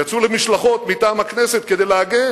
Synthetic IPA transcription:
jat͡sulemiʃlaχo̞t̪mitaːmhakneset̪̚ked̪ejleaɡen

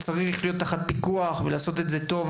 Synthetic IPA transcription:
t͡saʁiχlijo̞t̪ːaχat̪̚pikuaχvelaːso̞t̪e̞tze̞t̪o̞v

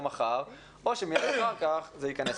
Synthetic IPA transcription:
maχaʁ | oʃemijadaχaʁkaχzeikanes

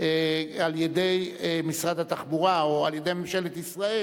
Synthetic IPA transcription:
ealjed̪e̞jmisʁad̪hat̪aχbuʁaoaljed̪e̞jmemʃelet̪isʁae

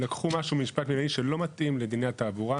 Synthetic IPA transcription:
lakχumaʃubmiʃpatmilaiʃe̞lo̞mat̪ʔimled̪ineat̪aːbuʁa

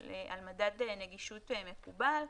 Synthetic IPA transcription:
ea̰lmadad̪ene̞ɡiʃut̪eme̞kubal

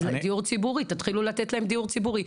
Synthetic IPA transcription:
ld̪iuʁt͡sibuʁit̪at̪χilulat̪et̪lahemd̪iuʁt͡sibuʁi

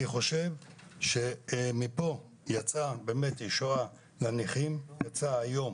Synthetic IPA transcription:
niχo̞ʃe̞vʃe̞mipo̞ | jat͡sabeːmetiʃoa | laniχimjat͡saːjo̞m

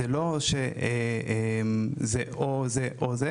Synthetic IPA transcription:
eloʃeeemzeʔozeʔoze

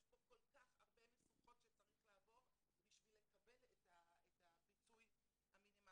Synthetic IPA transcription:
jeʃboko̞lkaχha̰ʁbemesuχo̞tʃet͡saʁiχlaavo̞ | biʃvile̞kabe̞letaetapit͡suj | haminima

